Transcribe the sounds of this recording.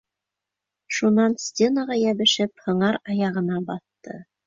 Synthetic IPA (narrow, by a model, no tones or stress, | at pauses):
ʃunɑnsʲtʲenəʁɑjæβɘ̆ʃɘp̚hɤ̆ɴɑɾɑjɑʁɤ̆nɑbɑθ | ɤ̰